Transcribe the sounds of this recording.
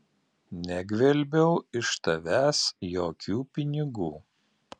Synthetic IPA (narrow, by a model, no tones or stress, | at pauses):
nʲɛɡʲʋʲɛlʲbʲɛʊɪʃt̪ɐʋʲæːsjoːkʲuːpʲɪnʲɪɡuː